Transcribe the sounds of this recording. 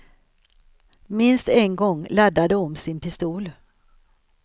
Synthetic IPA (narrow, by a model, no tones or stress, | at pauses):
mɪnst̪ɛnɡɔŋːlad̪ːad̪əɔmsɪnpʰɪst̪uːl